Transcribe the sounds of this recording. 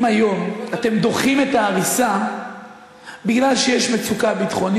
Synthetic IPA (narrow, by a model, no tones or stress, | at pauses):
ajo̞mat̪e̞md̪o̞χime̞t̪aːʁisa | biɡlalʃejeʃme̞t͡sukabit̪χo̞n